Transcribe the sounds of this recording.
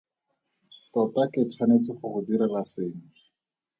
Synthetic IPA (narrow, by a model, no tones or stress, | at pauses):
tɔtakɪt͡ʃʰwanet͡sɪχʊχʊdiɾalaseːŋ̩